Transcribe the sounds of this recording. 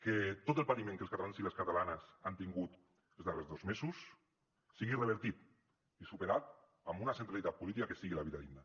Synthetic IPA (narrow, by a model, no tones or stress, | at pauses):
ket̪ot̪elˠpat̪imẽŋkəlskat̪alansileskat̪alanəsant̪iŋɡut̪ | d̪ezðarezðozmezusː | iɣirəβ̞eɾt̪it̪ | isupeɾat̪ | ambunasent̪ɾalit̪at̪̚pulit̪ikakesiɣilaβiðaðiɡna